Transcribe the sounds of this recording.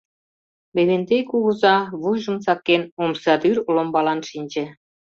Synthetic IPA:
beβend̪ekuɣɤ̆zɑβujʒə̆msɑkːenomsɑd̪yɾlombɑlɑnʃinʲd͡ʑĕ

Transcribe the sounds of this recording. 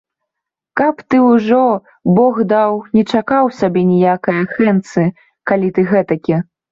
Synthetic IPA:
kɐpt̪ɨwʐɔ | bɔxd̪awnʲɛt͡ʂakawsʲabʲɛnʲɛjakɐjɐxɛnt̪sɨ | kalʲit̪ɨɣɛt̪ɐkʲi

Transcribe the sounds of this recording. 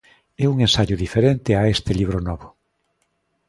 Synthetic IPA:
ɛuŋẽnsaʎʊðifeɾent̪eaest̪ɪliβ̞ɾonɔβʊ

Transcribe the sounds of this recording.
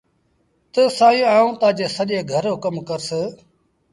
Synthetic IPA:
t̪əsaːĩːaːũːt̪ãːd͡ʒeːsəʄẽːɡʱəɾoːkəmkəɾse

